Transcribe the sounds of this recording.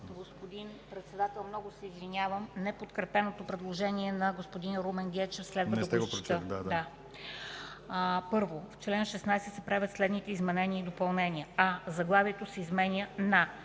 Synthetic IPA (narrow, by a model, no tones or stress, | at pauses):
ɡospod̪inpɾɛt̪sɛd̪at̪ɛlˠmnɔɡʊsɛizvinʲjavəmnɛpot̪kɾɛpɛnot̪opɾɛd̪lˠoʒɛniɛnɐɡospod̪inɾomɛnɡʲɛt͡ʃɛfslɛd̪vət̪əɛɡoɾəd̪ad̪a | pɤɾvoft͡ʃlɛnʃɛsnajsɛt̪sɛpɾavʲət̪slɛd̪nit̪ɛizmɛnɛnʲiəid̪opɐlˠnɛniəɐzɐɡlˠaviɛt̪osɛizmɛnʲjənɐ